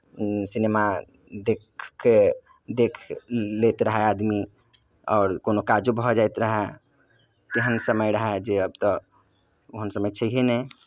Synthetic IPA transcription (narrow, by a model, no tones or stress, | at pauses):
sinema | d̪ekʰke | d̪ekʰlet̪ɾəɦɛad̪mi | ɔːɾkonokad͡ʒubʱɔd͡ʒajt̪ɾəɦɛ | t̪eɦənsəməjɾəɦd͡ʒeəb̚t̪ɔ | oɦənsəməjt͡ʃʰəiɦenɛ